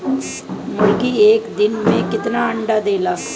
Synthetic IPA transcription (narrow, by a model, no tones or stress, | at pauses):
mʊlkiːeːkd̪ɪnmẽkɪt̪naːəɳɖaːd̪eːlaː